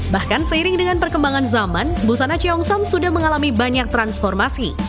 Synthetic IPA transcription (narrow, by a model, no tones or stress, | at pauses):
bahkansəiɾɪŋdəŋanpərkəmbaŋanzamanbusanat͡ʃiɔŋsɔmsudahməŋalamibaɲak̚t̪ɾansfɔrmasi